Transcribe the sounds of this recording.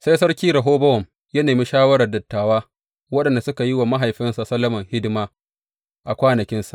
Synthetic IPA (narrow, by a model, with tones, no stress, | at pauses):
sa˦jsɐ˦rkʲiː˦ɾɐ˨ɦoː˦bɐ˦wɔ˨m | jɐ˦neː˨mi˦ʃaː˦wɐ˦ɾɐ˨rdɐ˨tːaː˨waː˦ | wɐ˦ɗɐ˨nda˨sʊ˦ka˨ji˦wa˨ma˦ɦa˨jɸɪ˦nsa˨sɐ˦lːɐ˦mɐ˨ŋhɪ˦dɪ˦maː˦ | ʔa˨kʷaː˦nɐ˨kʲɪ˦nsa˨ʔ